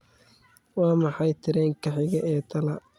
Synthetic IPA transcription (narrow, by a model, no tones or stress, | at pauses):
wɑːmɑħɑjt̪ʰɪɾɛːŋkʰɐħɪɣɐʔɛːt̪ʰɐlɐ